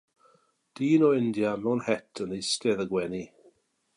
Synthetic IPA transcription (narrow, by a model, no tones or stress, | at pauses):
d̥iːnɔɪndjamɛwnhɛtʰənijstɛðəɡwɛni